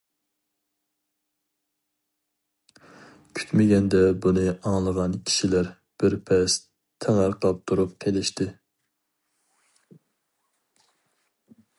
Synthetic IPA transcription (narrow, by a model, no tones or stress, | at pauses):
kʲʰy̥t̪mɪɡʲɛnd̪ɛbunɨɑŋlˠəʁɑnkʲʰi̥ʃilæɾ | b̥ɪɾpʰɛs | t̪ʰːæŋæɾqʰɑp̚t̪ʰuɾup̚kʲʰelɪʃt̪ɪ